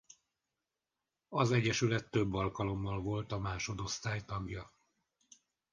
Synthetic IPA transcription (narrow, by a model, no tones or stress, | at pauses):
ɒzɛɟːɛʃylɛt̪ːøbːɒlkɒlo̞mːɒlvo̞lt̪ɒmaːʃo̞d̪o̞st̪aːjt̪ɒɡjɒ